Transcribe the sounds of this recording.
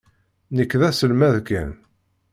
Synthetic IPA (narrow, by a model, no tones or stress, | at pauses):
nəkːðæsəlmæðkːæ̰n